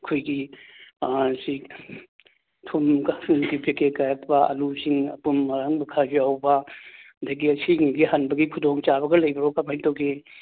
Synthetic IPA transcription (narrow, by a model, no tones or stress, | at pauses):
ɐkʰojɡi | si | tʰumɡaumdipikekajak̚pɐɐ̰lusiŋɐ̰pumːɐɾaŋmɐkʰazawbɐndɐɡiɐsiŋiɡiɦɐnbɐɡikʰudoŋt͡ʃabɐɡɐlɐjbɐɾokamajtokʰe